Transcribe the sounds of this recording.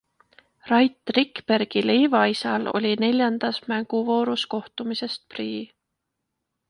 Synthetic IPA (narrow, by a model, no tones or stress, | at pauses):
rɑjt̪ˑrikpe̞rɡ̥ilejvɑisɑlo̞̰lʲine̞lʲjɑnd̪̥ɑsmæŋɡ̥uvo̞ːɾusko̞ht̪umise̞st̪̚priː